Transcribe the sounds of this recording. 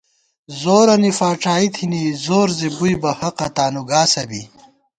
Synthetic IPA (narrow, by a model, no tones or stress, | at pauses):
zoːɾɐnifaːʈ͡ʂaːit̪ʰinizoːɾzebujbɐhɐqɐt̪aːnuɡaːsɐbḭ